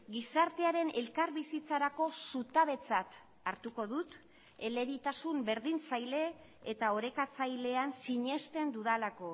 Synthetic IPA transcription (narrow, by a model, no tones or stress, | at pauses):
ɡisaɾt̪e̞aɾe̞ne̞lkaɾβisit͡saɾako̞sut̪aβ̞e̞t͡sat̪ | aɾt̪uko̞ðut̪ | e̞le̞ɾit̪asumbe̞ɾðint͡sajle̞ː | t̪ao̞ɾe̞kat͡sajle̞ansiɲe̞st̪e̞nd̪uðalako̞